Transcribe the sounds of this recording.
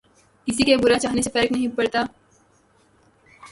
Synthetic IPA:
kɪsikebʊɾat͡ʃaːɦnesefɐɾəknɐɦĩpɐɽt̪aː

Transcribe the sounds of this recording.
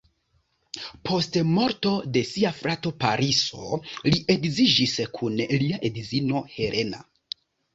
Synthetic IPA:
pʰo̞stmo̞ɾto̞de̞siafɾato̞paɾʔiso̞̰liʔe̞kzid͡ʒiskʰunliaʔedizino̞he̞ɾʔe̞na̰

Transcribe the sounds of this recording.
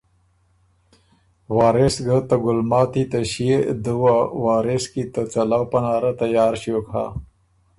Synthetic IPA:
wɑːɾesɡət̪əɡʊlmɑːt̪it̪əɕed̪əwawaːɾɪskit̪ət͡salawpanɑːɾat̪ajɑːɾɕokha̰

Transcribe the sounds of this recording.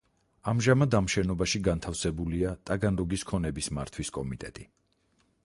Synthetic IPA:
amʒamad̪amʃɛnɔbaʃiɡant̪ʰafsɛbuliat̪ʼaɡanɾɔɡiskʰɔnɛbismaɾt̪ʰwiskʼɔmit̪ʼɛt̪ʼi

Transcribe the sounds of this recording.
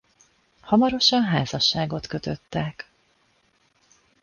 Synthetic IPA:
hɒmɒɾo̞ʃɒnɦaːzɒʃːaːɡo̞t̪kø̞t̪øt̪ːɛk

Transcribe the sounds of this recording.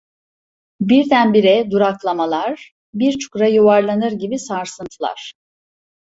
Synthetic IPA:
biɾd̪ænbiɾɛd̪uɾaklˠamalˠaɾ̥ | biɾt͡ʃʰu̥kɾajuvaɾlˠanɯɾɟibisaɾsɯnt̪ʰɯlˠa̰ɾ̥

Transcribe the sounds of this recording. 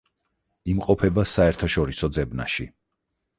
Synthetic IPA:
imqʼɔpʰɛbasaɛɾt̪ʰaʃɔɾisɔd̪zɛbna̰ʃi

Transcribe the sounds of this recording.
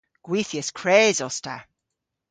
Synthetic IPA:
ɡ̥wiθiəskʰɹ̥eːzɔstʰa

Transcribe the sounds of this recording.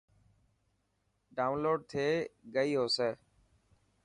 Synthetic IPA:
ɖaːʊnloːɖ̚t̪ʰeːɡəiːɦoːseː

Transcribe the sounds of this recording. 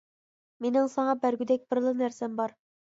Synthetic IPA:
menɪŋsɑŋɑbæɾɡʲyd̪ɛk̚ʲb̥ɪɾlˠɨnæɾsɛmbɑɾ

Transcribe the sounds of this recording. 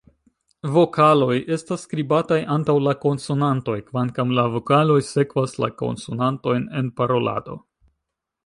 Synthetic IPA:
vo̞kalo̞je̞stasːkɾibatajʔantawlako̞nsunanto̞jkvankamlavo̞kalo̞jse̞kvasla̰ko̞̰nsunanto̞jne̞npaɾo̞la̰do̞̰

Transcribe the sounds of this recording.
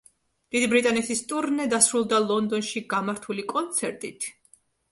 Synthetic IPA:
d̪̥id̪ibɾit̪ʼanɛt̪ʰist̪ʼuɾnɛd̪asɾulˠd̪alˠɔnd̪ɔnʃiɡamaɾt̪ʰulikʼɔnt̪sʰɛɾt̪ʼit̪ʰ

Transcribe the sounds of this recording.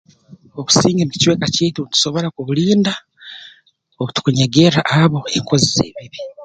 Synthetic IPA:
o̞βu̥siːŋɡeniki̥cweːkaceːtutu̥so̞βo̞ɾakuβuliːnda | oβutu̥kuɲeɡe̞ɾaʔaβo̞e̞ŋko̞zize̞̰ːβiβi

